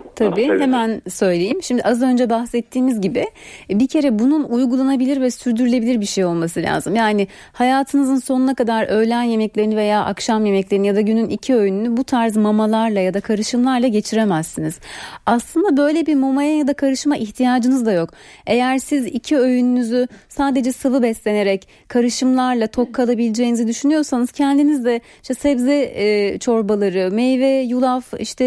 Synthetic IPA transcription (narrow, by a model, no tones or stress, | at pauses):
t̪ʰabiːhemænsø̞jlʲejimʃimd̪iʔazø̞nd͡ʒɛbaxsɛt̪ʰːiːmizɟibɪbicʰe̞ɾɛbununujɡulˠanabilʲiɾvɛsyɾd̪yɾylʲe̞bilʲiɾbiʃe̞jo̞lˠmasɯlʲa̰ːzɯmjaːnɪ | hajaːt̪ʰɯnɯzɯnso̞nunakad̪aɾø̞jlʲænje̞mɛclʲe̞ɾinive̞jaːʔakʃamje̞mɛclʲe̞ɾinijad̪aɟynynʔicʰiø̞jynynybut̪ʰaɾzmamalˠaɾlˠajad̪akʰaɾɯʃɯmlˠaɾlˠaɟe̞t͡ʃʰiɾemæsːiniz̥aslˠɯnd̪abø̞jlʲebiɾmamajajad̪akʰaɾɯʃmaʔiçt̪ʰijaːd͡ʒɯnɯzd̪ajo̞ke̞jæɾsizicʰiøjynynyzysaːd̪e̞d͡ʒɛsavɯbɛslʲe̞ne̞ɾɛc | kʰaɾɯʃɯmlˠaɾlˠat̪ʰo̞kʰːalˠabilʲid͡ʒejinizid̪yʃynyjo̞ɾsanɯz̥cʰɛnd̪inizd̪ɛ | iʃt̪ɛsɛbzɛt͡ʃʰo̞ɾbalˠaɾɯmejvɛjulˠafiʃt̪ʰɛ